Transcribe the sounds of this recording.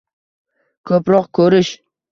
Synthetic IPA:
kʲʰɵpɾɒqkʲʰɵɾɪʃ

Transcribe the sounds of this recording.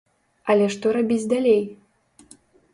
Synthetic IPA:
ɐlʲɛʂt̪ɔɾabʲid͡zʲd̪alʲej

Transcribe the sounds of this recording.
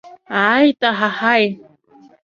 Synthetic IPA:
ajt̪aɦahaj

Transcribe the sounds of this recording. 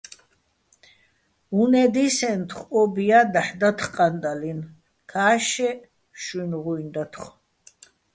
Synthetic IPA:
unɛd̪isɛnt̪ʰχɔbijad̪aħd̪at̪ʰχqʼand̪alin | kʰaːʃɛ | ʃunʁujnd̪at̪ʰχ

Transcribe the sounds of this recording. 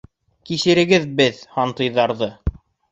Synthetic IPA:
kisɘ̆ɾɘ̆ɡɘðbɘðhɑnt̪ɤ̆jðɑɾðɤ

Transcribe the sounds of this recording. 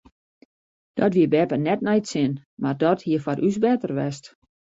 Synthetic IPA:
d̥ɔtʋiəbɛpənɛtnɛjtsɪnmardɔthiəfɔɾʔysbɛtərʋɛst

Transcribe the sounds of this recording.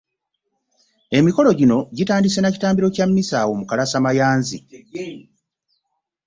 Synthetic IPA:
e̞miko̞lo̞ɟino̞ɟitaːndise̞naci̥taːmbiɾo̞camːisaːwo̞mukalasamajaːnzḭ

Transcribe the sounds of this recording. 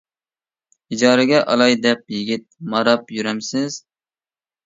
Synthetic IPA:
id͡ʒɑːɾɨɡʲɛʔɑ̰lˠɑjd̪ɛp̚jɪɡʲit̪̚mɑɾɑpjyɾɛmsɪz̥

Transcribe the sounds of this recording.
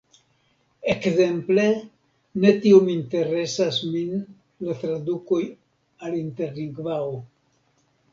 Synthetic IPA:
ekze̞mple̞ | ne̞tio̞minte̞ɾe̞sasmin | latɾaduko̞j | alinte̞ɾliŋɡvao

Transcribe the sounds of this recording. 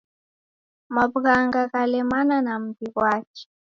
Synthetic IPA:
mabɣaŋɡaɣalɛmananam̩biɣwat͡ʃi̥

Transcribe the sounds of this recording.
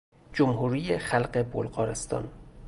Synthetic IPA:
d͡ʒomhuːɾiːjexælɢe̞bolɢɒːɾe̞st̪ʰɒ̰ːn

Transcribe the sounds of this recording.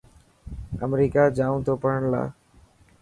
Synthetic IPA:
ə̰mɾiːkad͡ʒaũt̪opəɾəɳla̰ː

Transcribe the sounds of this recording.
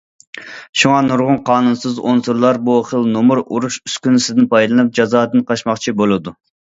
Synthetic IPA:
ʃuŋɑnuɾʁʊnqʰɑːnunsɨzonsuɾlˠɑɾbuχəlˠnomuɾuɾuʃyskʲynɪsɪd̪ɪnpʰɑjlˠɨnɨp̚d͡ʒɑzɑːd̪ɨnqʰɑʃmɑχt͡ʃʰibolˠɨd̪u

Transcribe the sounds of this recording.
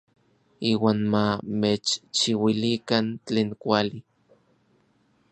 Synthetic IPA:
iːwaːnmamet͡ʃt͡ʃiwilikant͡ɬeːŋkʷali

